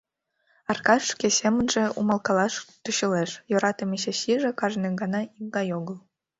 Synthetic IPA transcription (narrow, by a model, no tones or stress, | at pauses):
ɑrkɑʂkʲesemʲɘ̆nʒĕumɑlˠkɑlˠɑʃt̪uɕɤ̆leʃjŏɾɑt̪ɤ̆mʲeɕĕɕiʒĕkɑʒneɡɑnɑimd̪ɑjoɡɤ̆lˠ